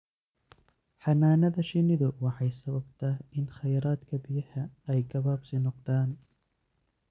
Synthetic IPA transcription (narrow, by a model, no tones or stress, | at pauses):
ħɑnaːnɐðɐʃɪnɪðʊwɑħɑjsɐβɐbt̪ʰɐɪnχɐjɾaːd̪kʰɐbɪjɐhɐɛjɡɐβabsɪnɔqd̪aːn